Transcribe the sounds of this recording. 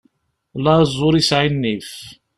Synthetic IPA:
lɑzˤːʊɾisʕinːif

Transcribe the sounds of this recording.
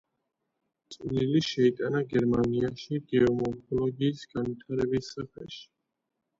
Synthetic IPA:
t̪sʼliliʃɛit̪ʼanaɡɛɾmaniaʃiɡɛɔmɔɾkʰɔlɔɡiːsɡ̥anwit̪ʰaɾɛbisapɛ̰ʃi̥

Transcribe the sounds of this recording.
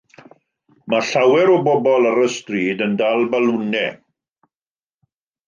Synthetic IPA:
maɬawɛɾɔbɔbɔlˠaɾəstriːdəndalˠbalʊnɛ̰

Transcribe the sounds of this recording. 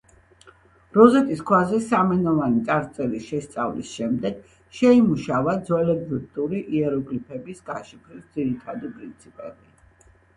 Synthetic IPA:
ɾɔzɛt̪ʼiskʰwazɛsamɛnɔvanit̪sʼaɾt̪sʼɛɾisʃɛst̪sʼa̰vlḭsʃɛmd̪ɛɡ̥ | ʃɛimuʃavad̪zwɛlɛbviɾt̪ʼuɾiʔiɛɾɔɡlipʰɛbisɡaʃipʰɾisd̪ziɾit̪ʰad̪ipʼɾint̪sʰipʼɛ̰bi

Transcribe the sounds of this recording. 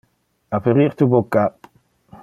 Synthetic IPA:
afeʁiʁt̪ubokːa

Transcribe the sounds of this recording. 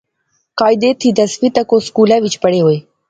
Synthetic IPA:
kɑːjd̪et̪ʰid̪ɐsfit̪ɐkoskulawit͡ʃpəɽewoj

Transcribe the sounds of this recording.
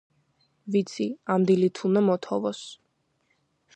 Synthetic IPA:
vit̪sʰiand̪ilit̪ʰunɛmɔt̪ʰɔvɔs

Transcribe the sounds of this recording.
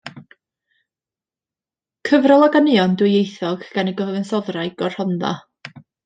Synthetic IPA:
kʰəvrɔlˠɔɡanɪɔndwɪjejθɔɡɡ̥aniɡəvɪnsɔðrajɡ̥ɔr̥hɔnða̰

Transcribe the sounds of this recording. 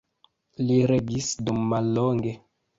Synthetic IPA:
liɾeɡisdumːalːoŋɡe

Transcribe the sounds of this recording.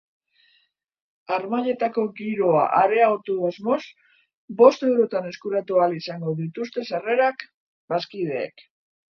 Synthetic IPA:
aɾmaʎe̞t̪ako̞ɡiɾo̞a̰ʔaɾe̞aɣo̞t̪uðuazmo̞s | bo̞st̪e̞wɾo̞t̪ane̞skuɾat̪ualisaŋɡo̞ðit̪ust̪e̞sare̞ɾak | baskið̞e̞̰ːk

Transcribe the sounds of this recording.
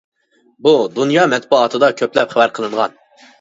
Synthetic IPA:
bud̪unjɑːmɛt̪̚buːt̪ʰɨd̪ɑkʲʰøplɛpχæwæɾqʰəlˠɨɴʁɑ̰n

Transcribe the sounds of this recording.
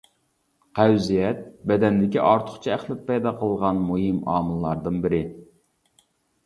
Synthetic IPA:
qʰæwzijɛt̪̚bɛd̪ɛnd̪ɪkʲiʔɑɾt̪ʰʊ̥χt͡ʃʰiæχlˠɪpːɛjd̪ɑqʰəlˠʁɑnmujimɑ̰ːmɨlˠːɑɾd̪ɨnbɪɾɪ

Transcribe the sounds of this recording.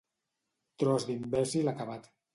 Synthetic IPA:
t̪ɾɔzd̪imbɛzilakaβat̪

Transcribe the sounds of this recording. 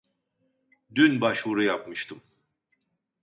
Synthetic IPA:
d̪ynbaʃvuɾujapmɯʃt̪ʰɯm

